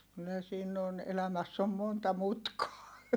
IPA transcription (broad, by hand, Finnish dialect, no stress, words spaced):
kylːæ siːn on elæmæsː om montɑ mutkɑː